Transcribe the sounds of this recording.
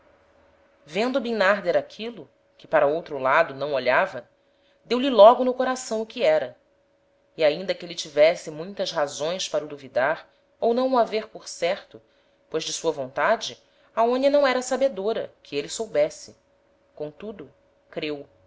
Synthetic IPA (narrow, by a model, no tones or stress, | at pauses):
vẽnd̪ʊubinaɾd̪eɾakʰilʊ | kɪ̥paɾɐowt̪ɾʊlad̪ʊnɐ̃w̃oʎavɐ | d̪ewlɪlɔɡʊnʊkoɾasɐ̃w̃ʊkɪɛɾɐ | iaĩnd̪ɐkɪelɪt͡ʃivɛsɪmũj̃t̪ɐsɦazõj̃spaɾɐʊd̪uvid̪aɾ | ownɐ̃w̃uaveɾpoɾsɛɾt̪ʊ | pojzd͡ʒɪsuɐvõnt̪ad͡ʒɪ | aõɲɐnɐ̃w̃ɛɾɐsabed̪oɾɐ̰kʰɪelɪsowbɛsɪ | kõt̪ud̪ʊ | kɾew